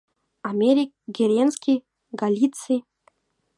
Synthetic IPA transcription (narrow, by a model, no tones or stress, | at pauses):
amʲeɾʲik̚ɡʲeɾʲenskʲi | ɡalʲit̪t͡si